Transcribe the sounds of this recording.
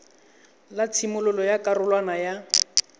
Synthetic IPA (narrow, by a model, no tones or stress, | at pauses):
lat͡sʰimʊlʊlɔjakʼarʊlwanaja